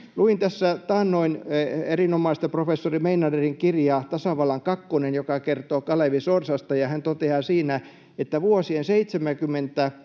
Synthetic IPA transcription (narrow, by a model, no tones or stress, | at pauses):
luint̪æsːæt̪ɑːnnoinerinomɑist̪ɑprofesːorimeinɑderiŋkirjɑt̪ɑsɑʋɑlːɑŋkɑkːonenjokɑkert̪oːkɑleʋisorsɑst̪ɑjɑhænt̪ot̪eɑːsiːnæ | et̪ːæʋuosienseit̪semækymːent̪æ